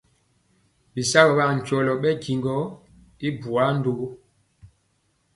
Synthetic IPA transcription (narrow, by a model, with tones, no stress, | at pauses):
ɓi˨sa˦bɔ˨ɓa˦˨ɲ̩˨t͡ʃɔ˨lɔ˨ɓɛ˦ɡi˨ŋɡɔ˨˦ | i˦bu˨a˨˦n˦do˨˦